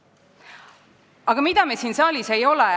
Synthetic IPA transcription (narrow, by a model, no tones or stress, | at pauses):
ɑɡ̥ɑmid̪ɑmesiːnsɑːlʲise̞jo̞lɛ